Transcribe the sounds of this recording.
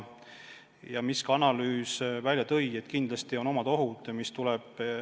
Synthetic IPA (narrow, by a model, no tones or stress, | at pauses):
jɑmiskɑɑnɑlyːsvælʲjɑt̪ɤje̞t̪ːkind̪̥lɑst̪io̞no̞mɑd̪̥o̞ɦud̪̥ɑmist̪ulɛb̥